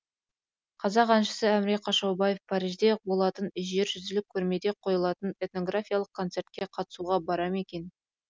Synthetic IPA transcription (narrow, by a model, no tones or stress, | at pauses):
qʰɑzɑqɑnʃə̥səæmɾeqʰɑʃɑwbaje̞fpʰɑɾijʒd̪e̞bo̞lˠɑt̪ənɪsʒe̞ɾʒʏzɪlɪkʲʰːɵɾme̞d̪e̞qʰo̞jəlˠɑt̪əne̞t̪no̞ɡrafʲijalˠəq̚kʰo̞nt̪se̞rt̪̚kʲe̞qʰɑt̪ə̥suʁɑbɑɾɑme̞kʲe̞n